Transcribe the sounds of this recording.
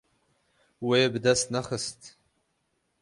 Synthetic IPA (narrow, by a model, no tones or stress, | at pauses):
weːbdasnaχəstʼ